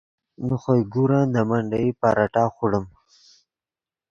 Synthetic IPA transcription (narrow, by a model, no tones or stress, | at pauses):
nuxojɡuɾand̪əmaɳɖaipaɾaʈaːxuɽəm